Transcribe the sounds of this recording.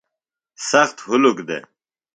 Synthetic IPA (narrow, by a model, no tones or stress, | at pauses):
sɐxt̪hʊlukd̪ḛ